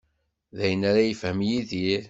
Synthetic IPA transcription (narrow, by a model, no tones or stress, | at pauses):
ðæjənaɾajəfhəmjiðiɾ